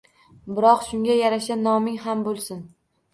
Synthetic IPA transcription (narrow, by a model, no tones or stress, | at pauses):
bɪɾɒqʃʊŋɡʲajaɾaʃanɒmɪŋɦambolˠsɪn